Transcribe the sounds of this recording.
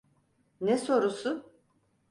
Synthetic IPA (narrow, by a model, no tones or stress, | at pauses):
nɛso̞ɾusʊ